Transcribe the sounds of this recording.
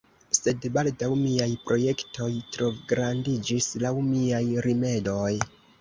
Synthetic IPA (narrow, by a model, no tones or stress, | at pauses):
se̞dbaldawmiajpɾo̞je̞ktʰo̞jtɾo̞vɡɾandid͡ʒislawmiajɾime̞do̞j